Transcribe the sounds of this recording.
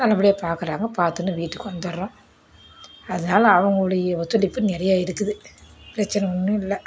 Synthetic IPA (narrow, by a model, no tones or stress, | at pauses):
nɐlːɐʋɪɽɪjeːpaːɾkɯɾaːŋɡɐpaːɾt̪ɯnːɯʋiːʈːɯkːɯɔnd̪ɐɾɾõː | ɐðɐnaːlɐːʋɐŋɡɐɭɯɽɐjɐɔt̪ːɐlɪpːɯnɛɾɐjaːɪɾɯkːɯðɯpɪɾɐt͡ʃːɐnɛɔnːɯ̃ɪlːɐ